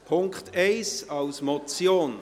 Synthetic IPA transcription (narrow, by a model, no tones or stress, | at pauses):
pʰʊŋkχteɪsɑlsmɔt͡sjoːn